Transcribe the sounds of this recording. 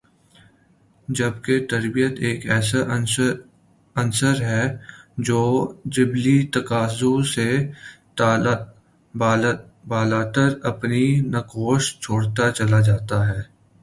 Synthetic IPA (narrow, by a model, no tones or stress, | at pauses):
d͡ʒɐbket̪ɐɾbijət̪eːkɛːsa | ɐnsəɾɦɛd͡ʒoːd͡ʒɪblit̪ɐkaːzõse | bː | baːlaːt̪əɾɐpninɐkoːʃt͡ʃʰoːɽt̪at͡ʃɐlad͡ʒaːt̪aɦɛː